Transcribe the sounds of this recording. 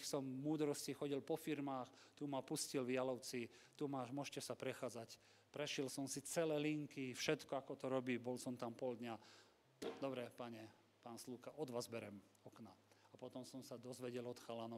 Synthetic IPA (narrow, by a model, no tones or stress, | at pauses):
sɔmmuːd̪ɾɔscixɔɟilpɔfiɾmaːxt̪umapuscilʋɪalɔʊt͡sit̪umaːʒmʊɔʃcɛsapɾɛxaːd͡zac | pɾɛʃilsɔmsit͡sɛlɛːliŋkifʃɛt̪kɔakɔt̪ɔɾɔbiːbɔlsɔmt̪ampɔld̪ɲa | d̪ɔbɾɛpaɲɛ | paːnsluːkaʔɔd̪ʋaːzbɛɾɛm | ɔknaapɔt̪ɔmsɔmsad̪ɔzʋɛɟɛlɔt̪xalanɔ